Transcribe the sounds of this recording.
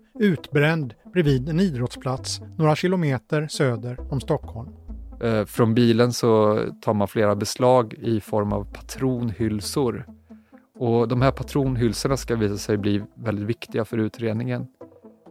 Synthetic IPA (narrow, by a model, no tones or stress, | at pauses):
ʉ̟ːt̪bɾɛnd̪bɾɛviːd̪ɛniːd̪ɾɔt̪spʰlat̪snoːɾaɕɪlʊmeːt̪əɾsøːd̪əɾɔmst̪ɔkhɔlm | fɾɔnbiːlənsɔt̪ʰɑːɾmanfleːɾabɛslɑːɡɪfɔɾma̰vpʰḁt̪ʰɾuːnhʏlsʊɾ | ɔd̪ɔmhæːɾpʰat̪ʰɾuːnɦʏlsəɳaskaviːsasɛjbliːvɛlɪt̪vɪkt̪ɪɡafœɾʉ̟ːt̪ɾeːd̪nɪŋən